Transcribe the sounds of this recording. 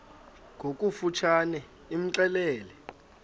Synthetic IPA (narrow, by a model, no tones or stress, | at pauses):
ŋʱok̬ʼufut͡ʃʰanɛ | im̩ǀɛlɛːlɛ